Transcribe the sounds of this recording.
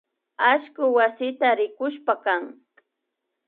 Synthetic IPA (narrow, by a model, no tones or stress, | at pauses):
aʃkʊwasɪt̪aɾɪkʊʃpakaŋ